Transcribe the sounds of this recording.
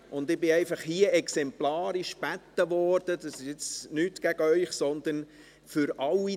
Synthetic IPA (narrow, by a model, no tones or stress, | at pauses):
ʔʊnd̪ɪbɪɛɪfɑχhiəɛksɛmplaːɾiʃb̥æt̪ːəʋɔːɾd̥əd̪ɑsɪʃɪt͡snyːt̪ɡ̥æɡ̥əœʏχsɔnd̪ən | fʏɾʔɑlːi